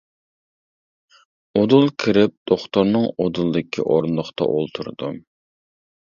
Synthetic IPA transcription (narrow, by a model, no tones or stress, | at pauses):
od̪ulˠkʲʰiɾɪp̚d̪̥oχt̪oɾnɨŋod̪ulˠd̪ɪkʲʰḭʔoɾnlˠʊχt̪ʰɑ̰ʔolˠt̪ʰuɾd̪um